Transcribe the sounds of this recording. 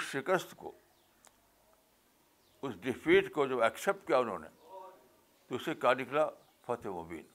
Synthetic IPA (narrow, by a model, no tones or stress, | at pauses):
ʃɪkəst̪ko̰ | ʊsɖɪpʰiːʈkod͡ʒoːɛːksep̚ʈ̚kijaʊnɦõ̰ːnḛ | t̪oʊsekjanɪkla | fʰɐt̪ʰemobḭːn